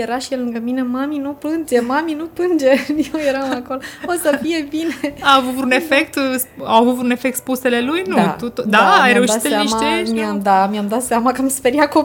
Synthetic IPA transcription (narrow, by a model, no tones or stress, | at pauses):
jeɾaʃijelɨŋɡəminemaminuplɨnd͡ʒe̞maminuplɨnd͡ʒe̞jewje̞ɾamakoloosəfije̞bineaːvut̪vɾune̞fek̚t̪sawavut̪vɾune̞fek̚t̪spuse̞le̞lujnut̪ut̪d̪aːjɾeuʃit̪amʃat̪miamd̪amiamd̪at̪samakəamspe̞ɾijako